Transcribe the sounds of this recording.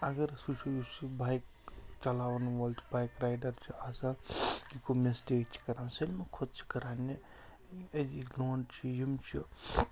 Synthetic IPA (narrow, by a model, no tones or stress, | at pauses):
ɐɡɐɾsusut͡ʃibajk̚ | t͡ʃɐlaːʋnʋɐlt͡ʃʰibajkɾajɖɐɾt͡ʃʰiasãikomesʈeːk̚t͡ʃʰi̥kɐɾaːnsɐlmekʰot̪̚t͡ʃʰi̥kɐɾaːni | ed͡ʒiloːnt͡ʃʰijimt͡ʃʰi